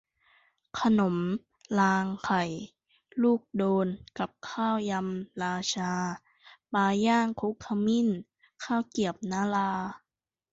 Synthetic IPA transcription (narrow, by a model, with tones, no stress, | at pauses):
kʰa˧no˨˩˦m | laː˧ŋkʰa˨˩j | luː˥˩k̚doː˧nka˨˩p̚kʰaː˥˩wja˧mlaː˧t͡ɕʰaː˧ | paː˧jaː˥˩ŋkʰu˧˦˥k̚tʰa˧mi˧˥˨n | kʰaː˥˩wki˨˩əp̚naː˧˥laː˧